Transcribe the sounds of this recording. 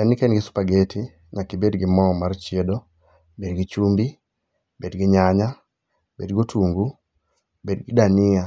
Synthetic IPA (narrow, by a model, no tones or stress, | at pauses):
ɛnɪkɛnɡɪsu̥paɡetʰi | ɲakibedɡɪmɔmart͡ʃedo | bedɡit͡ʃumbi | bedɡɪɲaɲa | bedɡotʰuŋɡu | bedɡidanɪa